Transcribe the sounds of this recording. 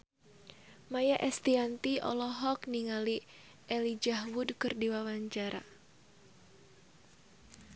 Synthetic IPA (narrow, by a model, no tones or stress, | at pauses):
majaʔɛst̪iant̪iʔɔ̰lɔɦɔkniŋali | ʔɛlid͡ʒaɦwudkərdiwawaɲt͡ʃaɾʔa̰